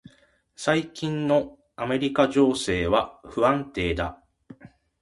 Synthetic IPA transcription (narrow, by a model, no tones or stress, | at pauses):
saikʲĩnːo̞ | ame̞ɾʲikaʑo̞ːse̞ːβaɸɯ̟ãnt̪e̞ːd̪a̰